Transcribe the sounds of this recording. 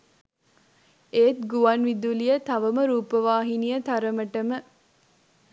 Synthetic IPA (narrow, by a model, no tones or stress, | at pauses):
ʔeːt̪ɡuʋɐnʋid̪ulijət̪ɐʋɐməɾuːpəʋaːɦinijət̪ɐɾəməʈəmə